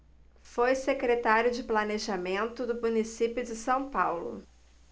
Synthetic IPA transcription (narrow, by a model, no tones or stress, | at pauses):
fojsekɾet̪aɾjʊd͡ʒɪplaneʒamẽnt̪ʊd̪ʊmunisipjʊd͡ʒɪsɐ̃w̃pawlʊ̰